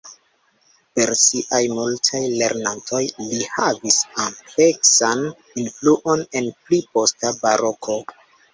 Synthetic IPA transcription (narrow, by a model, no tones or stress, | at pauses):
pe̞ɾsiʔajmultʰajle̞ɾnantʰo̞jlihavisample̞ksan | influʔo̞ne̞nplipo̞stabaɾo̞kʰo̞